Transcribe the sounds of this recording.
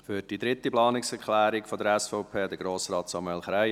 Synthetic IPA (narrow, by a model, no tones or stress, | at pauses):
fyːɾd̥id̪ɾɪt̪ːiplɑːnɪksɛɾkʰlæːɾɪkfɔd̪əɾɛsfɔʊpʰeːd̪əɡɾoːsɾɑːt̪sɑmɛlχɾæɪ